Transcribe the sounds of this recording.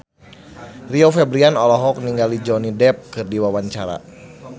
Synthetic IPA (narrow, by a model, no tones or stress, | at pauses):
riofɛbɾianɔlɔɦɔk̚niŋɡalid͡ʒɔnidɛp̚kɨrdiwawaɲt͡ʃaɾa̰